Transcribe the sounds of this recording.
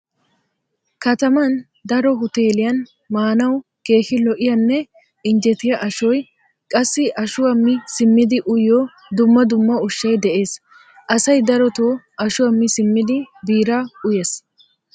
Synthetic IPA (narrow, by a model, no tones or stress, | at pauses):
kɐt̪ɐmɐn | d̪ɐɾɔɦʊt̪e̞ːlɪjɐn | maːnɐwke̞ːʃɪlɔʔɪjɐnːɛ | ɪnd͡ʒɛt̪ɪjɐʔɐʃɔj | kʼɐsːɪʔɐʃʊwɐmːɪsɪmːɪd̪ɪʔʊjɔ | d̪ʊmːɐd̪ʊmːɐʊʃːɐjd̪ɛʔe̞ːs | ʔɐsɐjd̪ɐɾɔt̪oː | ɐʃʊwɐmːɪsɪmːɪd̪ɪbiːɾɐʊjes